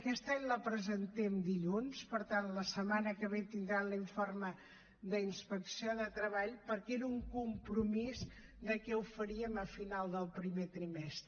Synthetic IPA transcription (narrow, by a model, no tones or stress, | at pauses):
əkɛst̪aɲləpɾəzənt̪ɛmd̪iʎunspəɾt̪anləsəmanəkəβet̪ind̪ɾanliɱformə | ðəinspəksioðət̪ɾəβaʎpəɾkɛɾuŋkumpɾumiz | d̪əkɛufəɾiəməfinalˠd̪əlˠpɾimet̪ɾimɛst̪ɾə